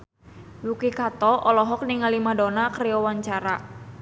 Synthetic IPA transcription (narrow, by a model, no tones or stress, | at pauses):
wukikat̪ɔʔɔlɔɦɔk̚niŋalimadɔnakɾɛɔwaɲt͡ʃaɾa